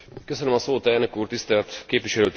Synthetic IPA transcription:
køsønømɒsoːt̪ɛlnø̞kuːrt̪ist̪ɛlt̪keːpʋiʃɛløːt̪

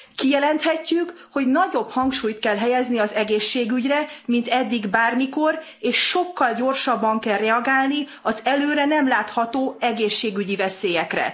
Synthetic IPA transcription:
kijɛlɛnt̪hɛcːykho̞ɟnɒɟo̞bhɒŋkʃuːjt̪kɛlɦɛjɛzniɒzɛɡeːʃːeːɡyɟrɛmint̪ɛd̪ːiɡbaːrmiko̞r | eːʃːo̞kːɒlɟo̞rʃɒbːɒŋkɛlrɛɒɡaːlni | ɒzɛløːɾɛnɛmlaːt̪hɒt̪oːɛɡeːʃːeːɡyɟivɛseːjɛkrɛ̰

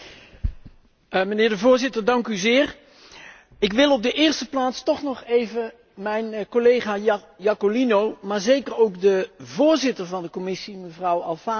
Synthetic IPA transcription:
mənɪːɹdəvʊːɹzɪtəɹdɑŋkyzɪːɹ | ɪkʋɪlˠɔb̚dəʔɪːɹstəplaːtstɔχnɔχejvə | mɛjnkolejχaː | jɑkolinowmaːɹzejkərowkdəvʊːɹzɪtəɹvɑndəkɔmɪsiməvrʌwɑ̰lˠfaː

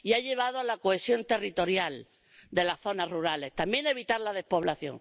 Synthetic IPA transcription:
iaʎe̞β̞aðoalakoe̞sjo̞nt̪e̞rit̪o̞ɾjal | d̪e̞laθo̞naruɾale̞st̪ambje̞ne̞β̞it̪aɾlaðe̞hpo̞β̞laθjo̞̰ŋ

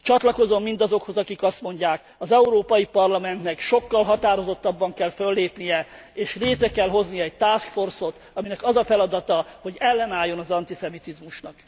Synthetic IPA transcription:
t͡ʃɒt̪lɒko̞zo̞mːind̪ɒzo̞kho̞zɒkikɒst̪mo̞ɲɟaːk | ɒzɛuɾoːpɒjipɒrlɒmɛnt̪nɛkʃo̞kːɒlɦɒt̪aːɾo̞zo̞t̪ːɒbːɒŋkɛlfølːeːpnijɛ | eːʃreːt̪ɾɛkɛlɦo̞znijɒɛɟ̚t̪aːskfo̞rso̞t̪ | ɒminɛkɒzɒfɛlɒd̪ɒt̪ɒho̞ɟɛlːɛnaːjːo̞nɒzɒnt̪isɛmit̪izmuʃnɒk

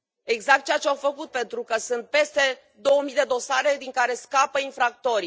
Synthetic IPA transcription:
e̞ɡzak̚t̪̚t͡ʃeat͡ʃeawfəkut̪̚pe̞nt̪ɾukəsunt̪̚pe̞st̪e̞ | d̪o̞womid̪e̞d̪o̞saɾe̞d̪iŋkaɾe̞skapəinfɾak̚t̪o̞ɾi

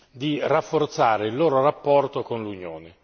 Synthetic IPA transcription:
d̪irafːort̪saːɾeilːoːɾorapːɔrt̪okonlunjo̰ːne

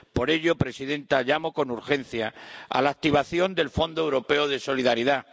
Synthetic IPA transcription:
po̞ɾe̞ʎo̞pɾe̞siðe̞nt̪aʎamo̞ko̞nuɾxe̞n̟θjaa̰laːk̚t̪iβ̞aθjo̞nd̪e̞lfo̞nd̪oewɾo̞pe̞oðe̞so̞liðaɾiða

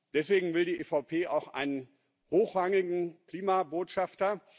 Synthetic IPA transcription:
d̥ɛsv̥eːɡŋ̩vɪldiːʔeːfaʊpʰeːʔa̰ʊxʔa̰ɪnən | hoːxʁ̥aŋɪɡŋ̩kl̥iːmaboːtʃaftɐ

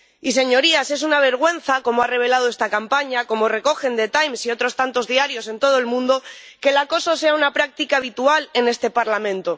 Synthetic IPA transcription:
is̬e̞ɲo̞ɾiase̞s̬unaβ̞e̞ɾɣ̞we̞n̟θako̞moare̞β̞e̞lað̞oe̞st̪akampaɲako̞mo̞re̞ko̞xe̞nd̪e̞t̪ajmsio̞t̪ɾo̞st̪ant̪o̞zðiaɾjo̞se̞nt̪o̞ð̞oe̞lmũnd̪o̞ | ke̞lako̞so̞se̞aunapɾak̚t̪ikaːβit̪uale̞ne̞st̪e̞paɾlamẽnt̪o̞

